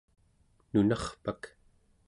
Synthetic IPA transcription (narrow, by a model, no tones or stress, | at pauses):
nunɑχpak